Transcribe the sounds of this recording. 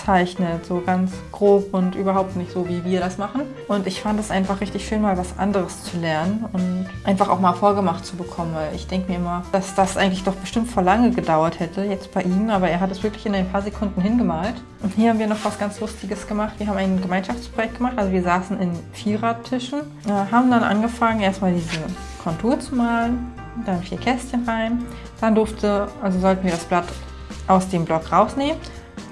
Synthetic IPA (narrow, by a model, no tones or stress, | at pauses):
t͡saɪçnətz̥oːɡansɡ̥ʁoːpʊntʔyːbɐɦhaʊp̚tnɪçtz̥oːviːviːɐɾasmaχn̩ | ʔʊntɪçfandəɛsʔaɪnfaχʁ̥ɪçtɪçʃøːnmaːlvasʔa̰ndəʁəst͡sulɛɐnənʊntʔaɪnfaχa̰ʊxmaːlfoːɐɡəmaχtt͡subəkʰɔmənvaɪlɪ̰çd̥ɛŋkəmiːɐɪmɐd̥asd̥asʔa̰ɪɡŋ̩tlɪçd̥ɔχb̥əʃtɪmtfoːɐlaŋəɡədaʊɐthɛtʰəjɛt͡st̚b̥aɪʔiːnənʔaːbɐeːɐɦatɛsv̥ɪɐklɪçɪnaɪnpʰaːɐzekʰʊndn̩hɪnɡəmaːlt | ʔʊnthiːɐhabm̩viːɐnɔχv̥asɡ̥ant͡slʊstɪɡəsɡ̥əmaχtv̥iɐɦabmaɪnɡəmaɪnʃaft͡spʁ̥ojɛktɡ̥əmaχtʔalzoviːɐzaːsn̩ɪnfiːʁatʰːɪʃn̩ | ʔɛɦaːbm̩danʔa̰nɡəfaŋəneːɐstmaːldiːzə | kʰɔntʰuːɐt͡sumaːlən | d̥anfiːɐkʰɛstçənʁaɪn | d̥andʊɐftʰəʔalzozɔltn̩viːɐɾasb̥lat | ʔaʊsd̥eːmblɔkʁaʊsneːmən